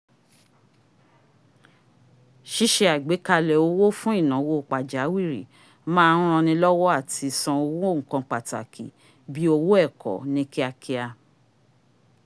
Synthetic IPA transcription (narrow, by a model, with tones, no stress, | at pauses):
ʃi˦ʃe˧a˨ɡ͡be˨˦ka˧lɛ˨o˨˦wo˦fũ˦i˦˨nã˨˦wo˦˨k͡pa˨d͡ʒa˨˦wi˦˨ɾḭ˨ | mãː˦˧˦ɾ̃ã˧nĩ˧lɔ˦wɔ˦a˦˨ti˧sã˧o˧wo˦o˦˨ŋ̩˨kã˧k͡pa˨ta̰˨kʰḭ˨ | bi˨˦o˧wo˦ɛ˦˨kʰɔ̰˨nĩ˦ki˦a˧kʰi˧a˧